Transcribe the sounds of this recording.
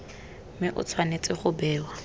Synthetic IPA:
mɪʔʊ̰t͡sʰwanet͡sʼɪχʊbɛːwa

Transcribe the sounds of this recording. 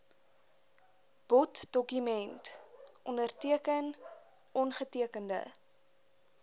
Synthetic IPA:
b̥ɔtd̥ɔkymɛntʔɔndərtiəkən | ʔɔnχətiəkəndə̰

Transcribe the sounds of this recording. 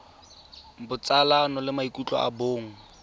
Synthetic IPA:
bʊt͡sʼalanɔlɪmaikʼut͡ɬʼɔ̰a̰boːŋ̩

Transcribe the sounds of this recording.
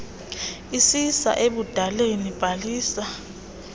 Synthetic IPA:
isisa̰ʔeɓud̥ʱalenib̥ʱaliːsa

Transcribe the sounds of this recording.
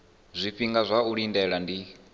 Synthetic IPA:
zʷiɸiŋɡazʷauɺindɛɺandi

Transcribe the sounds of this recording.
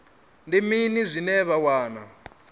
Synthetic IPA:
ndiminizʷinɛβawaːna̰

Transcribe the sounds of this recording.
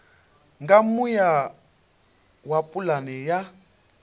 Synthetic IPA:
ŋɡamuja | wapʼulanɛja

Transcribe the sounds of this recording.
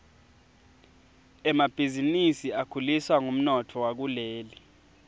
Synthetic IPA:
ɛmab̥ʱizinisiakʰuliswaŋum̩nɔtʰɔwak̬uleːli

